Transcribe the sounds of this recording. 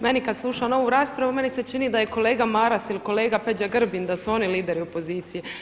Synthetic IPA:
me̞nikad̪slˠuʃano̞ʋuɾaːspɾaʋume̞nise̞t͡ʃinid̪aje̞ko̞le̞ːɡamaɾasiliko̞leːɡaped͡ʒaɡr̩bind̪asuo̞niliːd̪e̞ɾiopo̞ziːt̪sije

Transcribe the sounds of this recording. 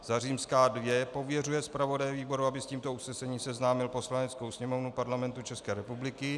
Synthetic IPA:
zar̝iːmskaːdvjɛpo̞vjɛrujɛspɾavo̞dajɛviːbo̞ɾuabɪsciːmt̪o̞usnɛsɛɲiːmsɛznaːmɪlposlaɲɛt͡sko̞wsɲɛmo̞vnupaɾlamɛnt̪ut͡ʃɛskɛːɾɛpublɪkɪ

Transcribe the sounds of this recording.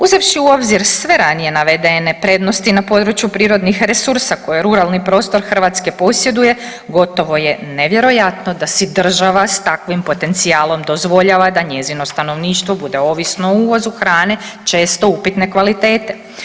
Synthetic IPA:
uzeʋʃiuo̞bziɾsʋe̞ɾanije̞naʋed̪e̞ne̞pɾe̞d̪no̞st̪inapo̞d̪ɾut͡ʃjupɾiːɾo̞d̪nixɾesuɾsako̞jeɾuɾalnipɾo̞ːst̪o̞ɾxr̩ʋaːt̪ske̞po̞sje̞d̪uje̞ | ɡo̞t̪o̞ʋo̞je̞neʋje̞ɾo̞jat̪no̞d̪asid̪r̩ʒaʋast̪akʋimpo̞t̪e̞nt̪siaːlˠo̞md̪o̞zʋo̞ʎaʋad̪aɲe̞zino̞st̪ano̞ʋniːʃt̪ʋo̞bud̪e̞o̞ːʋisnouːʋo̞zuxɾaːne̞t͡ʃe̞ːst̪o̞upit̪ne̞kʋalit̪e̞ːt̪e̞

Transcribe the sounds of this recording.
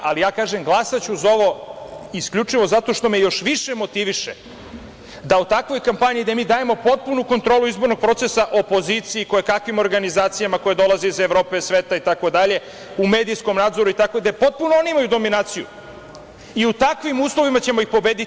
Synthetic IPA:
alijaːkaːʒe̞mɡlˠasat͡ɕuzao̞ʋo̞iskʎʲut͡ʂiʋo̞zat̪o̞ʃt̪o̞mejo̞ʃʋiʃemo̞t̪iʋiʃe | d̪aut̪akʋo̞jkampaɲiid̪emiːd̪aːje̞mo̞po̞t̪̚punuko̞nt̪ɾo̞ːluizbo̞ɾno̞ɡ̚pɾo̞t̪sesaʔo̞po̞zit̪siiko̞jekakʋimo̞ɾɡanizaːt̪sijamako̞jed̪o̞lˠazeizeʋɾo̞ːpe̞sʋeːt̪ait̪ako̞d̪aʎe̞ | ume̞ːd̪ijsko̞mnaːd̪zo̞ɾuit̪ako̞d̪epo̞t̪̚punooniimajud̪o̞minaːt̪sijṵ | iut̪akʋimuːslˠo̞ʋimat͡ɕe̞mo̞ixpo̞beːd̪i

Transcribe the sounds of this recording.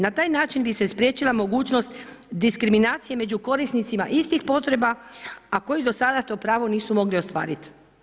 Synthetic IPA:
nat̪aːjnaːt͡ʃinbise̞spɾje̞t͡ɕilamo̞ɡuːt͡ʃno̞st̪ | d̪iskɾiminaːt̪sije̞me̞d͡ʑuko̞ɾisnit̪simaʔist̪ixpo̞t̪ɾe̞baako̞jid̪o̞sad̪at̪o̞ːpɾaːʋo̞niːsumo̞ɡlio̞st̪ʋa̰ːɾit̪

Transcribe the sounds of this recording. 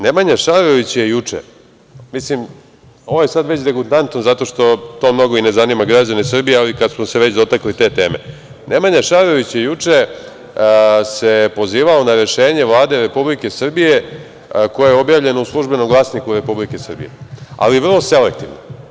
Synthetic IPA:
nemaɲaʃaɾo̞ʋit͡ɕjejut͡ʂḛ | mislim | o̞ʋojesad̪ʋe̞t͡ɕd̪eɡut̪ant̪nozat̪o̞ʃt̪o̞t̪o̞ːmno̞ɡo̞ine̞zanimaɡɾad͡ʑanesr̩bijealikad̪smoseʋe̞t͡ɕd̪o̞t̪aklit̪e̞ːt̪e̞̰ːme | nʔemaɲaʃaɾo̞ʋit͡ɕjejut͡ʂe̞ | se̞po̞ziːʋaonaɾe̞ʃe̞ːɲe̞ʋlˠaːd̪e̞ɾe̞publikesr̩bije̞ | ko̞jejeo̞bjaːʋʎe̞nouslˠuʒbe̞nomɡlˠaːsnikuɾe̞publikesr̩bḭjḛa̰liʋr̩lˠo̞selek̚t̪iʋno̰

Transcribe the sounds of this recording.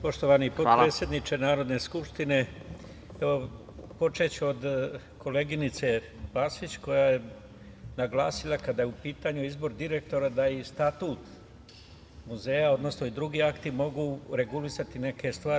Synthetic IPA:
po̞ʃt̪oʋanipoɾeːt̪sʲje̞d̪nit͡ʃe̞naːɾo̞d̪ne̞skupʃt̪ine̞ | eʋo̞ | po̞t͡ʃe̞t͡ɕuo̞d̪ | kʰo̞le̞ɡinit̪se̞ | paːsʋit͡ɕko̞jaje̞ | naɡla̰ːsilˠakad̪ajeupiːt̪aɲuizbo̞ɾd̪iɾe̞k̚t̪o̞ɾad̪aist̪at̪uːt̪ | muze̞ːjao̞d̪no̞sno̞id̪ɾuɡiakt̪imo̞ɡuːɾe̞ɡulisat̪ine̞ke̞st̪ʋaː

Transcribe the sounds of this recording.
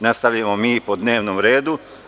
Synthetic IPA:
nast̪aʋʎamomiːpo̞d̪ne̞ːʋnomɾe̞ːd̪u

